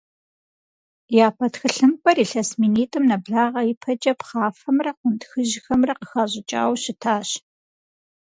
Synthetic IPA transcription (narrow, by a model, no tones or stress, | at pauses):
jaːpʰɐtxɨɬɨmpʼɐriːɬɐsminiːtʼɨmnɐbɮaːʁɐjipʰɐt͡ʃʼɐpχaːfɐmrɐqʷʊntxɨʒɪxɐmrɐqəxaːʑʼɪt͡ʃʼa̰ːwɕɪtʰaːɕ